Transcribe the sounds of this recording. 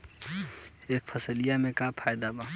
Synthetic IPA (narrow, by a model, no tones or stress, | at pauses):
eːk̚pʰəsəlijamẽkapʰaːjd̪aba